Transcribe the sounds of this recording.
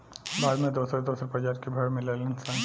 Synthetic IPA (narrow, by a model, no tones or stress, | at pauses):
baːd̪mẽd̪oːsəɾd̪oːsəɾpɾəd͡ʒaːɾkebʱɐɽmɪlelənsã